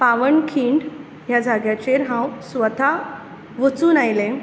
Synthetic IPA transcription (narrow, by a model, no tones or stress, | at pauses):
paʋəɳkʰiːɳɖ | ɦjad͡zʱaɡjat͡ɕeɾɦãwsʋət̪a | ʋət͡suːnajlẽ